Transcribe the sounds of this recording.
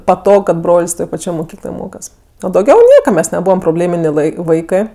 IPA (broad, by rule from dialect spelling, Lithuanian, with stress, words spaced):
pɐˈtoːk kɐt ˈbroːlʲsʲ ˈtoːj pɐˈt͡ʃʲoːj moːˈkʲiːklˠoːj ˈmoːkɐs oː dɐʊˈɡʲɛʊ ˈnʲiɛkɐ ˈmʲɛs nʲɛˈbuːʋɐm proːˈbʲlʲeːmʲɪnʲeː ˈʋ ɐɪ ˈʋɐɪkɜ